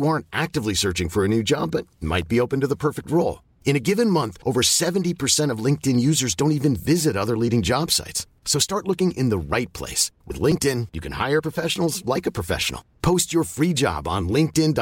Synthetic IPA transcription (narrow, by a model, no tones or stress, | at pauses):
jɑɹntʔæk̚tɨvlisɜ˞t͡ʃɪ̃ŋfə˞ɨnʉd͡ʒɑ̰bʌt̚ma̰ɪt̚b̥ioʊpɨ̃n̩tɨðəpʰɜ˞fɨk̚t̚ɹoʊlˠ | ɨ̃ñɨɡɪvɨ̃nmʌ̃nθʔoʊvə˞sɛṽntipʰə˞sɛ̃ɾ̃ʌvlɪ̃ŋk̚tɨ̃njʉzə˞zdõʊ̃ntivɨ̃nvɪzɨɾʌðə˞liɾɪ̃ŋd͡ʒɑb̥sa̰ɪtsːoʊstɑɹtˡlʊkɪ̃ŋʔɪ̃nðəɹaɪt̚pʰl̥ḛɪswɨ̰ðlɪ̃ŋk̚tɪ̃njɨkʰɨ̃nha̰ɪə˞pʰɹ̥əfɛʃn̩l̩ˠzlaɪkɨpʰɹ̥ɨfɛ̰ʃn̩l̩ˠpʰoʊst͡ʃə˞fɹid͡ʒɑ̰b̃n̩lɪ̃ŋk̚tɪ̃nd